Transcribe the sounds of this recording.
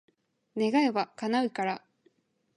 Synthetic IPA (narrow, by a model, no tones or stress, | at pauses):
ne̞ɡaeβakanaɯ̟ikaɾa